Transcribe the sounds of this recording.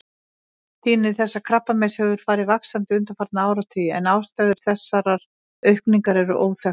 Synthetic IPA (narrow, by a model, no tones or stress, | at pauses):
t̪ʰiːnɪθɛsːakʰɾapːamɛshɛvʏɾ̥faːɾɪvaksant̪ɪʏnt̪afaɾt̪naaːwɾast̪ʰʏjɪɛnawst̪aɣðʏɾ̥θɛsːaɾaɾ | œɥhkniŋkaɾɛɾʏ̰ʔoːwθɛ